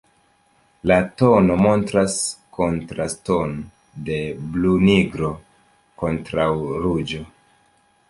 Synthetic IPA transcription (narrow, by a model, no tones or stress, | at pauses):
lato̞no̞mo̞ntɾasko̞ntɾaston | de̞bluniɡɾo̞ | ko̞ntɾawɾud͡ʒo̞